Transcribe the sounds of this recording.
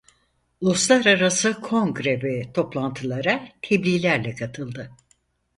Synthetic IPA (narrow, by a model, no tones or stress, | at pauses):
lˠuslˠaɾaɾasɯkʰo̞ŋɡɾɛvɛt̪ʰo̞plˠant̪ʰɯlˠaɾat̪ʰeblʲiːlʲæɾlʲɛkʰat̪ʰɯlˠd̪ɯ